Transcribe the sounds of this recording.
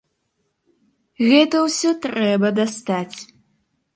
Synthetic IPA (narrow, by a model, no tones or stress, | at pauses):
ɣɛːtʰɐwsɨtʼrɛːbɐdɐstʰaːtʰ